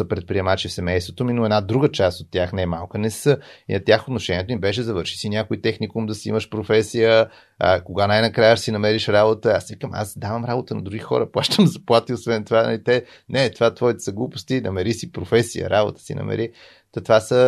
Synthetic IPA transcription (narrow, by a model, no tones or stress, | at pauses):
əpɾɛt̪̚pɾiɛmat͡ʃifsɛmɛjst̪vot̪ominoɛd̪nad̪ɾuɡət͡ʃast̪ot̪ːʲjaxnɛmalˠkənɛsəḭnɐt̪ʲjaxot̪noʃɛnʲiɛt̪omibɛʃ̬ɛzɐvəɾʃi̥sinʲjakoit̪ɛxnikumd̪ɐsiḭməʃpɾofɛsijə | ə̰koɡanajnɐkɾajəsinɐmɛɾiʃɾabot̪əasvikəma̰sd̪avəmɾabot̪ənɐd̪ɾuɡixɔ̰ɾəplˠaʃt̪əmzɐplˠat̪iosvɛnt̪ovanɐ̰lit̪ɛ | nɛt̪ovat̪vɔit̪ɛ̥səɡlˠupo̥st̪inɐmɛɾisipɾofɛsijə̰ɾabo̰t̪ə̥sḭnɐ̰mɛ̰ɾi | t̪ɐt̪ovasə